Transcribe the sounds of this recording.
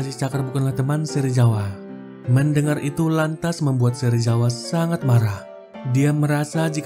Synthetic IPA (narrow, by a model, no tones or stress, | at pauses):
sit͡ʃakərbukanlaht̪əmansəɾid͡ʒawa | məndəŋarʔit̪ulant̪asməmbuat̪̚səɾid͡ʒawasaŋat̪̚maɾah | diaməɾasad͡ʒik